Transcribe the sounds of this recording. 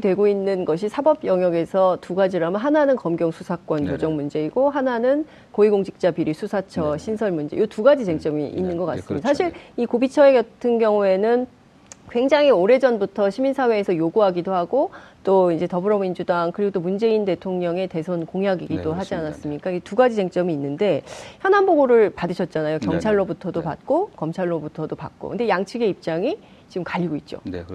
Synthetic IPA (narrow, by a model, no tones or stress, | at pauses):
itwe̞ɡoinːɯnɡʌɕ̬ʰisʰabʌbjʌŋjʌɡe̞sʰʌtuɡad͡ʑiɾoamɯnɦananɯnkʌmɡjʌŋsʰusʰak͈wʌnjod͡ʑʌŋmund͡ʑe̞iɡ̥oɦananɯn | koiɡoŋd͡ʑʰi̥k̚t͡ɕ͈apiɾisʰusʰat͡ɕʰʌɕʰinsʰʌɭmund͡ʑe̞̰jotuɡad͡ʑid͡ʑe̞ŋt͡ɕ͈ʌmḭḭnːɯnɡʌk͈a̰s͈ɯmmɲidasʰaɕʰiɾikobit͡ɕʰʌeɡjʌtʰɯnɡjʌŋue̞nɯn | kwe̞ŋd͡ʑaŋioɾe̞d͡ʑʌnbutʰʌɕʰiminsʰawe̞ːsʰʌjoɡuɦaɡidohaɡot͈oind͡ʑe̞tʌbɯɾʌmind͡ʑudaŋkɯɾiɡot͈omund͡ʑe̞inde̞tʰoŋɲʌŋe̞te̞sʰonkoŋjaɡiɡidoɦad͡ʑianas͈ɯmɲik͈aiɡetuɡad͡ʑit͡ɕe̞ŋt͡ɕ͈ʌmiːnːɯnde̞çjʌnɦanboɡoɾɯɭpadɯɕʰʌt̚t͡ɕ͈anajokjʌŋt͡ɕʰaɭːobutʰʌdopa̰t̚k͈okʌmt͡ɕʰaɭːobutʰʌdopa̰k̚k͈o̰kɯnde̞jaŋt͡ɕʰiɡe̞ip̚t͡ɕ͈aŋi | t͡ɕiɡɯmkaʎːiɡoit̚t͡ɕ͈o̰